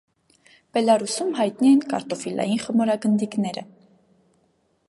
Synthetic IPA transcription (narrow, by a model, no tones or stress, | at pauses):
b̥ɛlɑɾusumɦɑjt̪̚niɛnkɑ̰ɾt̪ɔfilɑ̰jinχəmɔɾɑɡənd̪iknɛɾə̰